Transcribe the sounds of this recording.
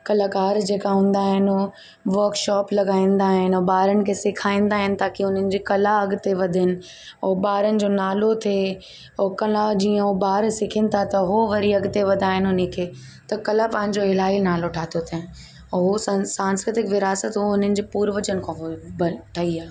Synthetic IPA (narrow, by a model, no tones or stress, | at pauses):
kɐlakaːɾd͡ʑeːkaɦũːn̆d̪aːɦɪnʊ | ʋɐːɾkʃɔːplɐɡaːĩːn̆d̪aːɦɪnobaːɾənɪ̆kʰeːsɪkʰaːĩːnd̪aːɦɪnɪ̆t̪aːkiʊn̤ənɪ̆d͡ʑiːkɐlaɐɡt̪eʋɐd̪ʱɪnɪ̆ | obaːɾənɪ̆d͡ʑoːnaːlot̪ʰeː | okɐlad͡ʑiːə̃ɦobaːɾsɪkʰɪnɪ̆t̪ʰat̪ɐɦoʋɐɾiɐɡt̪eʋɐd̪ʱaːɦɪnʊnɪ̆kʰeː | t̪ɐkɐlapɐ̃ɦɪ̃ɲd͡ʑoɪl̤aːinaːloʈʰaːt̪ʰijot̪ʰe | ɦossãːnskɾɪt̪ɪkʋɪɾaːsət̪ɦoʊn̤ənɪ̆d͡ʑeːpuːɾʋət͡ɕənɪ̆kʰãːɦbɐʈʰɐiaː